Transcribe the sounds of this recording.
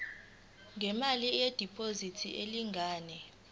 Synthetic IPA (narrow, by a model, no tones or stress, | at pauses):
ŋʱɛmalijed̥ʱipʰʼozitʰiʔeliŋʱaːnɛ